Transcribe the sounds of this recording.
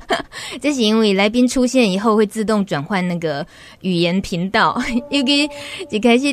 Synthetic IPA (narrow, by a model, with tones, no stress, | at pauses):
ʈ͡ʂa˥˩ɕ̬i˧i˧˥ŋwe˥˩la˧˥ɪp̬i˥ŋʈ͡ʂʰu˥ɕjɛ˥˩ni˨˩xo˥˧ʊxwe˥˧ɪt͡sɹ̩˥˧t̪ʊ˥˩ŋʈ͡ʂwa˨˩nxwa˥˧nna˥˩ɡə˩ | y˨˩jɛ˧˥npʰi˧˥ŋt̪ɑ˥˩ʊjo˥˩kʰə˥i˧˩t͡ɕi˨˩kʰa˥ɪɕi˨˥